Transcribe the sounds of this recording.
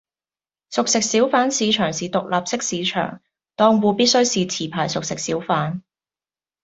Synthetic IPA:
sʊ˨k̚sɪ˨k̚siː˨˥wfaː˨˥nsiː˨˧t͡ʃʰœː˨˩ŋsiː˨t̪ʊ˨k̚laː˨p̚sɪ˥k̚siː˨˧t͡ʃʰœ̰ː˨˩ŋ | t̪ɔː˧ŋwuː˨˧piː˥t̚sɵ˥ɥsiː˨t͡sʰiː˨˩pʰaː˨˩jsʊ˨k̚sɪ˨k̚siː˨˥wfaː˨˥n

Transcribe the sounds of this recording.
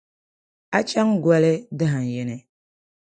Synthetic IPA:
a˦t͡ʃa˦ŋɡwa˦le˦də˦ɦa˨n˨je˨nɛ˨

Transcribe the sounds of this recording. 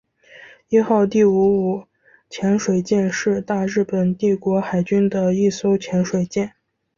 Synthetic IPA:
i˥˧xɑ˥˧ʊt̪i˥˩u˧˥u˨˩ | t͡ɕʰjɛ˧˥nʂwe˨˩ɪt͡ɕjɛ˥˧nʂɻ̩˥˧t̪a˥˧ɻɻ̩˥˩pə˨˩nt̪i˥˩kwɔ˧˥xa˨˩ɪt͡ɕy˥nd̪ə˨i˥˩so˥ʊt͡ɕʰjɛ˧˥nʂwe˨˩ɪt͡ɕjɛ˥˩n

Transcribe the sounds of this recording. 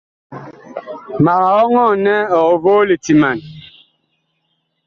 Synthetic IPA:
ma˨ɣa˨ɔ˦ŋɔ˦˨nɛ˦ɔ˨ɣɔ˨vo˦le˨ti˨ma˨n

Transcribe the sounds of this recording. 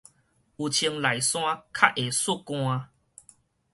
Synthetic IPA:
u˨t͡ɕʰi˧ŋla˨˩jsw̃ã˦kʰa˦˥ʔʔe˨˩su˦˩kw̃ã˧

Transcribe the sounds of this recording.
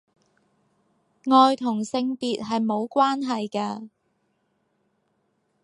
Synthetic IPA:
ŋɔː˨˧jt̪ʰʊ˨˩ŋsɪ˧ŋp̪iː˨t̚ɦɐ˨jmo˨˧wkʷwaː˥nɦɐ˨jkaː˧

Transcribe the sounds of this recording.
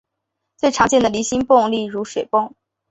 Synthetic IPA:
t͡swe˥˩ɪʈ͡ʂʰɑ˧˥ŋt͡ɕjɛ˥˩nd̪ə˩li˧˥ɕi˥npʊ˥˧ŋli˥˩ɻu˧˥ʂwe˨˩ɪpʊ˥˩ŋ

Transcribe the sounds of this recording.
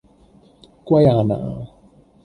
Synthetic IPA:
kwa˦ja˨na̰˨ʔa̰˨

